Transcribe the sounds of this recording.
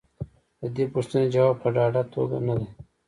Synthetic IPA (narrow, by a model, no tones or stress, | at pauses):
d̪əd̪epuʂt̪əned͡ʒɐwaːb̚pəɖɑːɖat̪o̰ɡa̰nad̪e